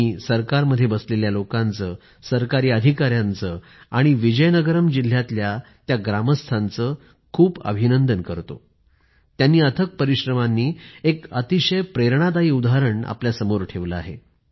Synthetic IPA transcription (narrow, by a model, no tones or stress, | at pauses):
isəɾkaɾməd̪ʱːjebəsleljalokãnt͡səː | səɾkaɾiːəd̪ʱikaɾjant͡sə | aɽ̃iʋid͡ʑəjnəɡəɾəmd͡ʑil̤ːjat̪lja | t̪jaɡɾaməst̪ʰant͡sə | kʰuːpə̰bʱinənd̪ənkəɾt̪o̰ | t̪janːiːət̪ʰək̚pəɾiɕɾəmanːiːekət̪iɕəjpɾeɾɳ̃ad̪aiːud̪aɦaɾəɳa̰pljasəmoɾʈʰeʋləa̰ɦḛ